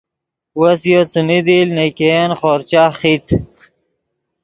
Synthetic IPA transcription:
wɐsjosumid̪ilnekeenχoːɾt͡ɕaχit̪ʰ

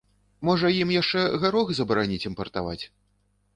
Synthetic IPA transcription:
mɔʐɐjimjaʂt͡ʂɛɣaɾɔɣzɐbɐɾanʲit͡sʲimpɐrt̪a̰va̰t͡sʲ

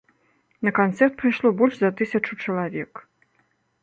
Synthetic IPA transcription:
nɐkant̪sɛrt̪̚pɾajʂlˠɔbɔlʲʂzɐt̪ɨsʲɐt͡ʂut͡ʂɐlˠavʲɛk

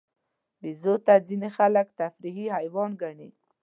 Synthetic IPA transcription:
bizot̪ad͡zinexalakt̪afɾiɦiɦajwɑnɡaɳi

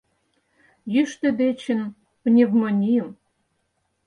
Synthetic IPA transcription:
jyʃt̪ĕd̪et͡ɕɘ̆n | pnʲevmonʲijəm

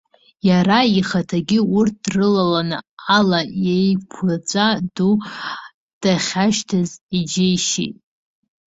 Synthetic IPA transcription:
jaɾaiχatʰaɡʲɪurt̚ʰdrɨlalanɨ̰alajejpʰat͡sʷʼadu | d̥aχʲaʃtʰazid͡ʒejʃḭtʼ

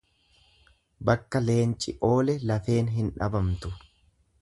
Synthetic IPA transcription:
bɐkːɐle̞ːnt͡ʃʼɪʔo̞ːlɛlɐfe̞ːnɦɪnᶑɐ̰bɐmt̪ʊ

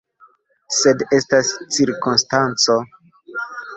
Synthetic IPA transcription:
se̞de̞stast͡siɾkonstant͡so̞

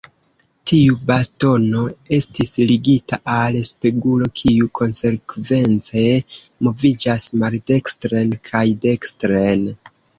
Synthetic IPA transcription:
tʰiubasto̞no̞e̞stisliɡita̰ʔalspeɡulo̞kʰiukʰo̞nse̞kve̞nt͡se̞ | mo̞vid͡ʒasmalde̞kstɾe̞nkʰajde̞kstɾen

